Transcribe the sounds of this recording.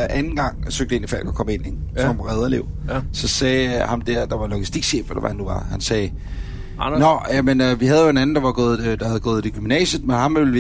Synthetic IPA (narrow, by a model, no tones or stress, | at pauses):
ʔænn̩ɡ̥ɑ̈ŋ̰søɡ̥̚d̥əe̝nifæl̰ɡ̥ɒ̥kʰɒ̽məe̝n̰e̥sɒ̽mʁɛð̞ˠɐle̝̰ʊ̰sɒ̽sɛːhɑ̈md̥æɐd̥ɑ̈ʋɑ̈lo̝ɡ̥isd̥iɡ̥ɕḛːfʋɒd̥ɑʋæhænːuʋɑ̈hænsɛː | nɒæmenøʋiɦæð̞ˠjoe̝næn̩d̥ɑ̈ʋɑ̈ɡ̥ɔ̽ːð̩ˠd̥ɑhæðˠɡ̥ɔ̽ːð̞̩ˠd̥eɡ̥ymnɛ̰ːɕəðˠmenhɑ̈mʋel